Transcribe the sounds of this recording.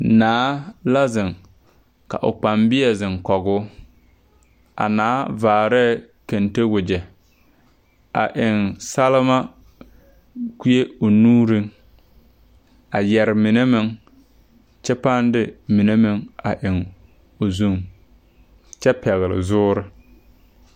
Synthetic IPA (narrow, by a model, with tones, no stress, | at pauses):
naː˦la˦zɪ˨ŋ | ka̰˨ʔʊ̰˨k͡pa˨mbɪ˦ɛ˨zɪ˨ŋkɔ˨ɣʊ˦ | a̰˨naː˨˦vaː˨ɾɛ˦˨ | ke˨nte˦wʊ˨d͡ʒɛ˨ | a̰˨ʔɪ˨ŋsa˦lɪ˦ma˦ | ki˦e˦o˨nuː˦ɾɪ˦ŋ | a˨jɛ˨ɾɪ˨mɪ˨ne˦mɪ˦ŋ | t͡ʃɛ˦pa˦ndɪ˦mɪ˨ne˦mɪ˦ŋa˨ʔɪ˨ŋ | o˨zu˦ŋ | t͡ʃɛ˦pɛ˨ɣɪ˨lɪ̰˨zʊː˦ɾɪ˦